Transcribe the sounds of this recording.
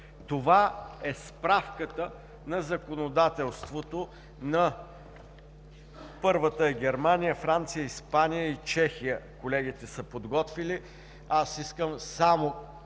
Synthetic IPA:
t̪ovaɛspɾafkət̪ə | nɐzɐkonod̪at̪ɛlˠst̪vot̪o | nɐ | pɤɾvət̪əɛɡʲɛɾmanijəfɾant̪sijəispanijəit͡ʃɛxijəkolɛɡ̟it̪ɛsəpod̪ɡɔt̪vili | asiskəmsamo

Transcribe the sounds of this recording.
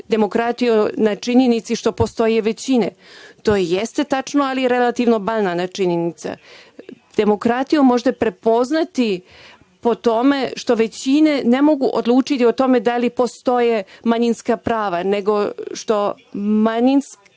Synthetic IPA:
d̪e̞mo̞kɾat̪ijonat͡ʃiɲenit̪siʃt̪o̞po̞st̪o̞jeʋe̞t͡ɕinet̪o̞ːjejest̪e̞t̪at͡ʃnoalije̞ɾelat̪iʋno̞baʎnanat͡ʃiɲenit̪sa̰ | d̪̥e̞mo̞kɾat̪ijumo̞ʒd̪apɾe̞po̞znat̪i | po̞t̪o̞me̞ʃt̪o̞ʋe̞t͡ɕine̞ne̞mo̞ɡuʔod̪lˠuːt͡ʃit̪io̞t̪o̞me̞d̪alipo̞st̪o̞je̞maɲinskapɾaːʋane̞ɡo̞ʃt̪o̞ | maɲinsk

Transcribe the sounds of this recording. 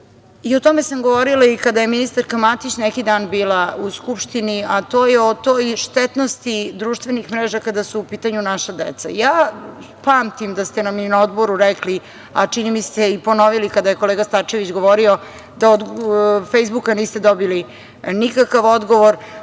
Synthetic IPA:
io̞t̪ome̞samɡoʋoɾilaikad̪ajeminist̪aɾkamat̪it͡ɕnɛkid̪aːnbiːlauskupʃt̪iniat̪oːjeot̪ojʃt̪ɛt̪nost̪id̪ɾuːʃt̪ʋenixmɾeːʒakad̪asuːpiːt̪aɲunaʃad̪ḛt̪sa̰jaː | paːmt̪imd̪ast̪enaminaod̪boɾuɾɛkli | a̰t͡ʂinimist̪eipo̞noʋilikad̪ajekoleːɡast̪at͡ʃe̞ʋit͡ɕɡoʋoɾio | d̪aod̪fejzbukaniːst̪e̞d̪obili | nikakaʋod̪ɡo̞ʋoɾ

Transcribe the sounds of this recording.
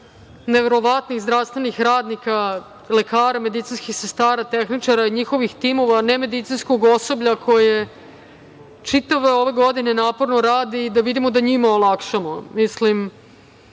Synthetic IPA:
neʋeɾo̞ʋat̪nixzd̪ɾaʋst̪ʋenixɾaːd̪nika | le̞kaːɾame̞d̪it̪sinskixse̞st̪aːɾat̪exnit͡ʂaɾaiɲixo̞ʋixt̪imo̞ʋaneme̞d̪it̪sinskoɡosobʎakʰo̞je | t͡ʂit̪aʋeoʋe̞ɡo̞d̪ine̞naːpoɾnoɾaːd̪iːd̪aʋid̪imo̞d̪aɲimaolˠakʂamomislim

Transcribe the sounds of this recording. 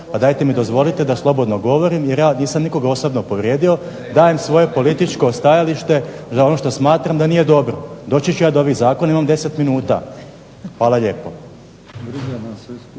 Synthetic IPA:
pad̪aːjt̪e̞mid̪o̞zʋo̞lit̪e̞d̪aslˠo̞bo̞d̪noɡo̞ʋoɾimjeɾjaːniːsamniko̞ɡaosobnopo̞ʋɾje̞ːd̪io̞ | d̪aːjemsʋo̞je̞po̞lit̪it͡ʃko̞st̪ajaliʃt̪e̞zaonoʃt̪osmaːt̪ɾamd̪aniːje̞d̪o̞bɾod̪o̞ːt͡ɕet͡ʃujaːd̪ooʋizaːko̞naimamd̪e̞se̞t̪minuːt̪a̰ | xʋaːlˠaʎe̞ːpo̞̰

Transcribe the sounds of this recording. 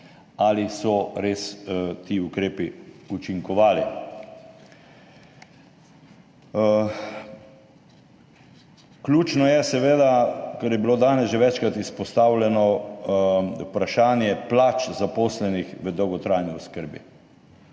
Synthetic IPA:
alisɔɾeːst̪iːukɾeːpiut͡ʃiŋkɔʋaːlḭ | klʲuːt͡ʃnɔjɛsɛʋeːd̪akəɾjɛbiloːd̪aːnɛsʒeʋɛt͡ʃkɾat̪ispɔst̪aːwlʲɛnɔ | ṵpɾaʃaːnjɛplat͡ʃzapoːslɛnixʋəd̪ɔwɡɔt̪ɾaːjniɔskəɾbḭ

